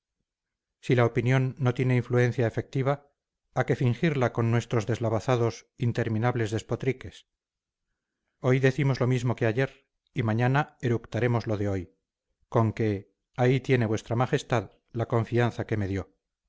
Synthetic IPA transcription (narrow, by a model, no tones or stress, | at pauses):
silaopinjo̞nːo̞t̪jene̞iɱflue̞n̟θjaefe̞k̚t̪iβ̞aː | ke̞fiŋxiɾlako̞nːwe̞st̪ɾo̞zðe̞zlaβaθaðo̞sint̪e̞ɾmĩnaβle̞zðe̞spo̞t̪ɾike̞s | o̞jðe̞θimo̞zlo̞mizmo̞ke̞aʝe̞ɾ | imaɲanaeɾukt̪aɾe̞mo̞zlo̞ðe̞o̞j | ko̞ŋke̞ | ait̪je̞ne̞βwe̞st̪ɾamaχe̞st̪að | lakõ̞ɱfianθake̞me̞ðjo̞